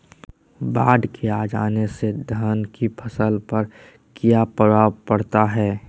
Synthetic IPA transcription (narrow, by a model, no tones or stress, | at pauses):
baːɖkʰeaːd͡ʒaːnesed̪ʱənkipʰəsəlpəɾ | kijapəʋaːwpɐɽt̪aɦɛː